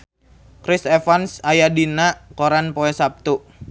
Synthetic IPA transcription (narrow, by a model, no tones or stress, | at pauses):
kɾisɛfansajadinakoɾanpoɛsap̚t̪u